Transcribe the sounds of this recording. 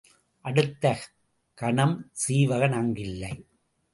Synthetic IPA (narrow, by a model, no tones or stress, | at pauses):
ʔɐɽɯt̪ːɐ | kɐɳɐmsiːʋɐɣɐnɐŋɡɪlːɐɪ